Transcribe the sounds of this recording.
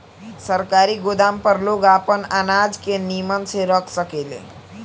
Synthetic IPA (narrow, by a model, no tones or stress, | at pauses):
səɾkaɾiɡod̪ampəɾloɡapənanad͡ʒkenimʌnsʰeɾʌkʰsʌkelḛ